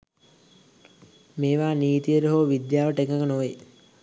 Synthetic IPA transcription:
meːʋaːniːt̪ijəɾəɦoːʋid̪jaːʋəʈekəkənoʋe

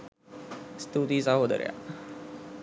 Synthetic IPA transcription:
st̪uːt̪isãɦoːd̪ə̰ɾja̰ː

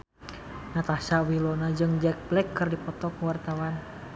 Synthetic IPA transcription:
nat̪asawilonad͡ʒɨŋd͡ʒɛk̚blɛkːɨrdipɔt̪ɔkuwart̪awan

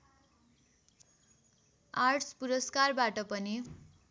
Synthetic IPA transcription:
arʈspuɾʌskarbaʈʌpʌni

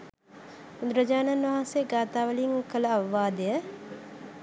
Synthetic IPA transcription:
ud̪ɾəd͡ʒaːnanʋɐɦãnseɡaːt̪aːʋəliŋkələɐʋʋaːd̪ejə

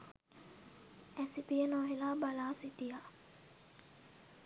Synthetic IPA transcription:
ɛsipienɔɦilabalasitija

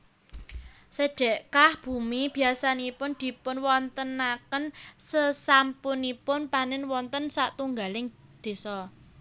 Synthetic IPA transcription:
səɖ̥ɛ̤ʔkahb̥ṳmib̥i̤asanipʊnd̪̥i̤pʊnwɔnt̪ənakənsəsampʊnipʊnpanɪnwɔnt̪ənsaʔt̪uŋɡalɪŋd̪̥e̤sɔ

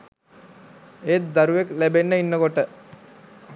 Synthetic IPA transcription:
et̪̚d̪aɾuʋeklæbenːəinːəkoʈə

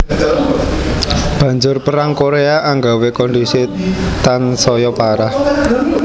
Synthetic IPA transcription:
b̥ä̤ɲd͡ʒʊrpəɾaŋkoɾeaʔaŋɡawekɔndisit̪ansɔjɔpaɾah

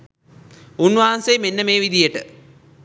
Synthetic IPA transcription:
unːʋaːnsejmenːəmeːʋid̪ijəʈɨ̰

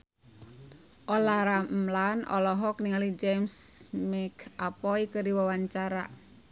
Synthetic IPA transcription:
ʔolaɾamlanʔɔ̰lɔɦɔkniŋalid͡ʒɛmsmɛkʰapɔikəɾiwawaɲt͡ʃaɾa̰

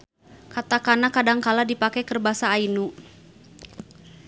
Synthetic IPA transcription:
kat̪akanakadaŋkaladipakɛkərbasaːinu

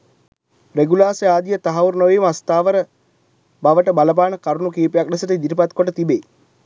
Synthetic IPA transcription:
ɾeɡulaːseaːd̪ijət̪aɦaurnoʋiːməast̪aːʋəɾə | baʋəʈəbaləp̬aːnəkaɾunukiːpejak̚ɖɐsəʈəid̪iɾipat̪koʈət̪ibeː

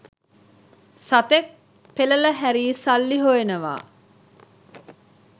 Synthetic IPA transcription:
sat̪ek̚ | pelələɦæɾiːsalːiɦoenəʋa̰ː

